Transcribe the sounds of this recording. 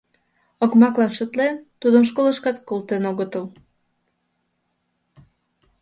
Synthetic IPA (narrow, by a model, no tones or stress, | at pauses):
okmɑklɑnʃət̪lent̪ud̪əmʃ̬koləʃkɑt̪kolt̪enoɣət̪əl